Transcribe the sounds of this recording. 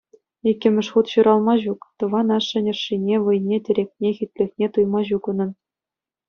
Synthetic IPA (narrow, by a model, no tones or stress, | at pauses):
ikʲːɘ̆mʲɘ̆ʂχut̪ɕuɾɑlˠmɑʑukt̪ɤ̆ʋɑnɑʂːɘ̆nʲɘ̆rʂːinʲeʋɤ̆jnʲetʲɘ̆ɾʲek̚ʲnʲexʲit̪ʲlʲɘ̆xʲnʲet̪ujmɑʑukɤnɤ̆